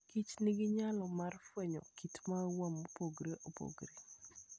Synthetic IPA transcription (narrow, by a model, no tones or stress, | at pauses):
kit͡ʃniɡɪɲalɔmarfwɛɲɔ̰kʰitmawamopoɡɾeʔopo̰ɡɾe